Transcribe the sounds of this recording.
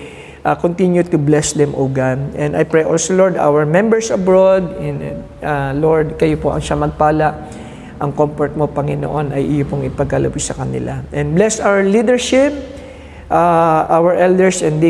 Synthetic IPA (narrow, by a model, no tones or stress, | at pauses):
ʔakont̪injʊt̪ʊblɛsd̪ɛmʔoːɡanʔɛ̃nd̪ɐjpɹejʔolsoloɹd̪a̰wɛɹmɛ̃mbɛɹsɐbɹod̪̚ɛn | aloɹd̪̚kɐjopo̞ʔɐ̰ŋʃamɐɡ̚paːlaʔ | ʔɐŋkomfɔɹt̪̚mopɐŋɪno̰ʔo̞nɐjʔɪjopoŋɪpɐɡ̚alɐ̰bɪsɐkɐnɪ̰lʔaʔɛ̃nblɛsawɛɹlid̪ɛɹʃɪp̚ | ʔaʔawɛɹʔɛld̪ɛɹsɛ̃nd̪d̪e